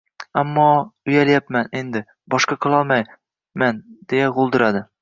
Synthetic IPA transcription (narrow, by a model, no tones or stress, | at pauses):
amːɒʊjaljapmænend̪ɪ | bɒʃqɑqɤ̆lˠɒlˠmaj | mand̪̥ejaʁolˠd̪ɪɾad̪ɪ